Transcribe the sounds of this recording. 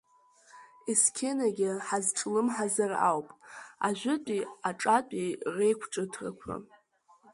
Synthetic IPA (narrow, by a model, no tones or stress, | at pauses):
iskʲʰenaɡʲɪħazʈ͡ʂʼlɨmħazara̰wpʼaʒʷʊtʼiaʈ͡ʂʼat͡pʼire̞jkʷʰʈ͡ʂʼɨtʰra̰kʷʰa̰